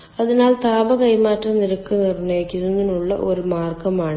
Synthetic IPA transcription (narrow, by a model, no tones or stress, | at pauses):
ɐðinaːlt̪aːbɐkɐjmaːtrɐmniɾɐkːɨnirneːkːiɾunːinuɭːɐ̰ʔo̞ɾumaːrɡɐmaːɳɨ